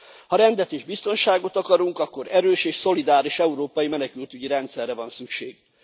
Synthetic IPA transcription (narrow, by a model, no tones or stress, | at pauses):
hɒɾɛnd̪ɛt̪eːʒbist̪o̞nʃaːɡo̞t̪ɒkɒɾuŋkɒkːo̞ɾɛɾøːʃeːʃso̞lid̪aːɾiʃɛuɾoːpɒjimɛnɛkylt̪yɟiɾɛnt̪sɛrːɛvɒnsykʃeːɡ̥